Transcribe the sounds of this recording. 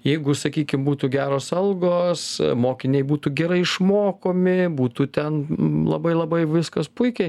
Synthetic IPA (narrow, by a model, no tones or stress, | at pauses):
jɛɪɡʊsɐkʲiːkʲɪmbuːt̪uːɡʲæːɾoːsɐlˠɡoːsmoːkʲɪnʲɛɪbuːt̪uːɡʲɛɾɐɪɪʃmoːkoːmʲɪbuːt̪uːt̪ʲɛnlˠɐ̰bɐɪlˠɐbɐɪʋʲɪskɐspʊɪkʲɛɪ